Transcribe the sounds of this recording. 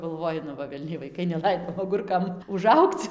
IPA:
ɡɐlˠˈʋoːjɪ nʊ ˈʋɐ ʋʲɛlʲˈnʲɛɪ ʋɐɪˈkɐɪ nʲɛˈlˠɐɪdoː ɐˈɡʊrkɐm ʊˈʒɐʊkt͡s

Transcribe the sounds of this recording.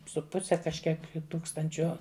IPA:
sʊ ˈpʊsʲɛ kɐʃʲˈkʲiɛk ˈtuːkstɐnʲt͡ʃʲoː

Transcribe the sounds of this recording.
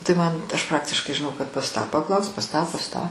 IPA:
tɐɪ ˈmɐn ɐʃ ˈprɑːktʲɪʃkɐɪ ʒʲɪˈnɐʊ kɐt pɐs ˈtɑː pɐˈklˠɐʊsk pɐs ˈtɑː pɐs ˈtɑː

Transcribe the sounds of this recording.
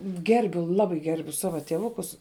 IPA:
ˈɡʲɛrʲbʲʊ ˈlˠɑːbɐɪ ˈɡʲɛrʲbʲʊ ˈsɑːʋɐ tʲiɛˈʋʊkʊs

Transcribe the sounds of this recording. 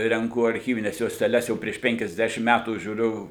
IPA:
rʲɛŋˈkʊ ɐrʲˈxʲiːʋʲɪnʲɛs juɔsʲtʲɛˈlʲɛs ˈjɛʊ pʲrʲiɛʃ ˈpʲɛŋʲkʲɛzʲˌdʲæːʃʲɪm mʲɛtuː ʒʲuːˈrʲʊ

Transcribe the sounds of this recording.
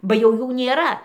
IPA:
bɐ jɛʊ ˈjuː nʲeːˈrɐ

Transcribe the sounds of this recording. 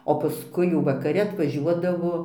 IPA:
oː pɐˈskʊɪ jɛʊ ʋɐkɐˈrʲɪ ɐtʋɐˈʒʲuɔdɐʋoː

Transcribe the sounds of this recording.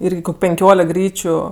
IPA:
ˈiːrʲɡʲɪ koːkʲ pʲɛŋʲˈkʲoːlʲɛk ˈɡrʲiːt͡ʃʲʊ

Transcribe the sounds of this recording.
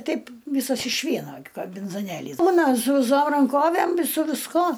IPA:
ˈtʲɛɪp ˈʋʲiːsɐs ɪʃ ˈʋʲiɛnoː ɡʲɪ kɐmʲbʲɪnzoːˈnʲeːlʲiːs ˈbuːnɐ sʊ ʋʲɪˈsoːm rɐŋˈkoːʋʲæm ɪ sʊ ʋʲɪsˈkoː

